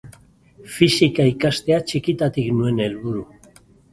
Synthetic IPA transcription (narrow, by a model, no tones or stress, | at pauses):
fisikaikast̪e̞at͡ʃikit̪at̪iknue̞ne̞lβuɾu